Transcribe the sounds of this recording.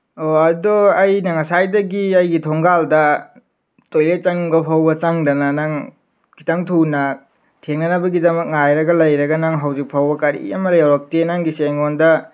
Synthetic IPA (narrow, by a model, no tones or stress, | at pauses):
oɐdɔɐjnɐŋasajdɐɡiɐjɡitʰoŋɡaldɐ | tojlet͡ʃɐŋbɐpʰawbɐt͡ʃaŋdɐnanaŋ | kʰi̥taŋtʰunɐ | tʰeŋnɐnɐbɐɡidɐmɐk̚ŋajɾɐɡɐlɐjɾɐɡɐnaŋɦɐwzik̚pʰawbɐkaɾḭɐ̰mɐɾajawɾɐk̚tenaŋɡiseŋondɐ